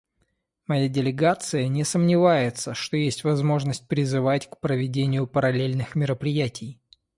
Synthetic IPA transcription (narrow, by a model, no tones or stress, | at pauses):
mɐjadʲɪlʲɪɡat̪sɨjənʲɪsəmnʲɪvajɪt̪səʂt̪o̞jesʲtʲvɐzmo̞ʐnəsʲt̚ʲpɾʲɪzɨvatʲkpɾəvʲɪdʲenʲɪjʊpəɾɐlʲelʲnɨxmʲɪɾəpɾʲɪjætʲɪj